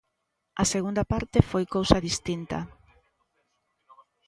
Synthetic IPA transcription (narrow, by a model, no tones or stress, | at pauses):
ɐseɣund̪ɐpaɾt̪ɪfojkowsɐðist̪int̪ɐ̰